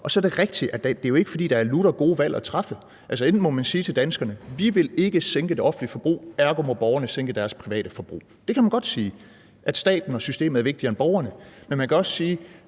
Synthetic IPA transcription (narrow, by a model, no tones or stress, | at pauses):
ʔɒ̽sɒ̽ɐɾ̥e̝ʁeɡ̥d̥iʔæ̥æd̥e̝jo̝e̝ɡ̥fɒ̽d̥ḭːd̥ɑ̈æɐluɾ̥ɐɡ̥o̝ːʋæl̰ʔɒt͡sʰʁɑ̈fə | ʔælsəen̥̩mɒ̽mænsiːt͡sʰe̝ld̥ænsɡ̥ɐnəʋiʋe̝le̝ɡ̥əseŋɡ̥əd̥e̝ɒ̽fn̩lifɒ̽b̥ʁṵːæɐɡ̥omɒ̽b̥ɒʊɐnəseŋ̰ɡ̥əd̥æɐspʰʁiʋɛ̰ːɾ̥əfɒ̽b̥ʁṵː | d̥e̝kʰæmænɡ̥ɒ̽d̥siː | ʔæd̥sd̥ɛ̰ːd̥n̩ɒ̽sysd̥e̝̰ːməæɐʋe̝ɡ̥̚d̥iɐe̝nb̥ɒʊɐnəmenmænkʰæɒ̽ssiː